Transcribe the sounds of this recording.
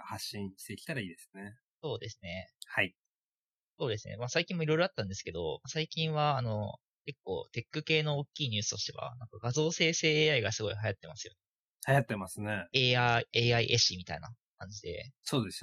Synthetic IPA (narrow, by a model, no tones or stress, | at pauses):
haɕːĩɕi̥t̪e̞kʲi̥t̪aɾaiːd̪e̞sɨ̥ne | so̞ːd̪e̞sɨne̞hai | so̞ːd̪e̞sɨnʔḛmasaikʲĩmːo̞iɾo̞jiɾo̞at̪ːãnd̪e̞sɨ̥ke̞d̪o̞̰masaikʲĩɰ̃βaːno̞ | ke̞kːo̞̰ːt̪e̞kːɯ̟ke̞ːno̞ːkʲːiːɲ̟ɨ̟ːsɨ̥t̪o̞ɕi̥t̪e̞βa̰nãŋkaɡazo̞ːse̞ːse̞ːeːaiɡasɨɡo̞iɦajat̪ːe̞masɨjo̞̰ne | hajat̪ːe̞masɨneeːaeːaḭʔeɕimʲit̪aina̰ | kãɲ̟d͡ʑid̪e̞̰so̞ːd̪e̞s